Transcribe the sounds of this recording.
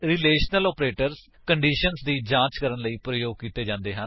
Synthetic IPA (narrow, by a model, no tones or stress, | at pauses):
ɾɪleːʃnəlɔːpɾeːʈəɾs | kəɳɖiːʃənsd̪iːd͡ʒãːt͡ʃkəɾənləiːpɾəjoːɡ̚kiːt̪eːd͡ʒãːnd̪eːɦən